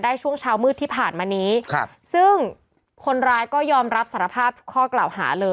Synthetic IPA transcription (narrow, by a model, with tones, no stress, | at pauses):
daː˥˩jt͡ɕʰu˥˩əŋt͡ɕʰaː˧˥wmɯː˥˩t̪ʰːiː˥˩pʰaː˨˩nmaː˧niː˦˥˧ | sɯ˥˩ŋ | kʰo˧nɾaː˧jkɔː˥˩jɔː˧mɾa˦˥p̚sa˨˩˦ɾa˧pʰaː˥˩p̚t̪kʰɔː˥˩klaː˨˩wha̰ː˩˦lɤː˧